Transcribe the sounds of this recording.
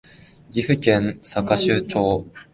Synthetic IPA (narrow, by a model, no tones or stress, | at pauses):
ɡʲiɸɯ̟kẽnsakaɕɨːt͡ɕoː